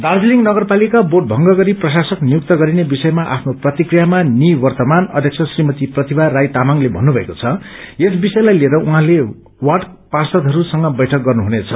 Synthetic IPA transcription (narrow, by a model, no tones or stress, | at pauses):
d̪ard͡ziliŋnʌɡʌrpalikaboʈ̚bʱʌŋɡʌɡʌɾiprʌsasʌknijuk̚t̪ʌɡʌɾinebisʌjmaʔa̰pʰnoprʌt̪ikrijamaniwʌrt̪ʌmanʌ̰d̪ʱjʌk̚t͡sʰʌsrimʌt̪iprʌt̪ibʱarajt̪amaŋlebʱʌnːubʱʌekot͡sʰʌes̬bisʌjlajlieɾʌuɦãle | wʌɖparsʌd̪ɦʌɾusʌŋɡʌbʌjʈʰʌk̚ɡʌrnuɦunet͡sʰʌ